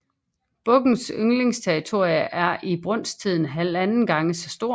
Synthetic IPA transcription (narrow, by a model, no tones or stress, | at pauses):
b̥ɔ̽ɡ̥n̩søŋle̝ŋst͡sʰeɐʁit͡sʰo̝ɐ̰iəʔæɐʔib̥ʁɔ̽n̰st͡sʰið̰ˠn̩ɦælænn̩ɡ̥ɑ̈ŋəsɒ̽sd̥o̝ɐ̰